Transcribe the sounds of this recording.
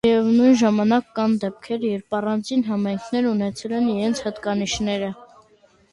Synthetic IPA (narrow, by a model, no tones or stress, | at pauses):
jɛvnujnʒɑmɑnɑkːɑnd̪ɛp̚kʰɛɾjɛɾpɑrɑnd͡zinɦɑmɑjŋkʰnɛɾunɛt͡sʰɛlɛniɾɛnt͡sʰhət̪kɑniʃnɛɾə